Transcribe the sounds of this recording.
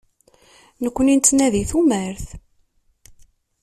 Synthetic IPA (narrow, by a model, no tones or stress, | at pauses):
nəkʷːənint̪ːnæðiθumæɾθ